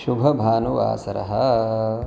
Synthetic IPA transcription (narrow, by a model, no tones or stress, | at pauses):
ʃubʱɐbʱaːnuʋa̰ːsɐɾɐ̰ɦɐ